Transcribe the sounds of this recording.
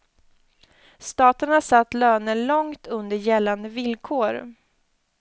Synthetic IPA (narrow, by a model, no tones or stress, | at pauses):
st̪ɑːt̪əɳasat̪ːløːnəlɔŋt̪ʰɵnd̪əɾjɛlːand̪əvɪlkʰoːɾ